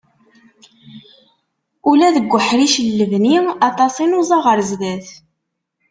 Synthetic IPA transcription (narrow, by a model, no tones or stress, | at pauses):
ulæðəɡʷːəħɾiʃəlːəvniɑt̪ˤɑsˤinuzˤɑʁəɾzðæθ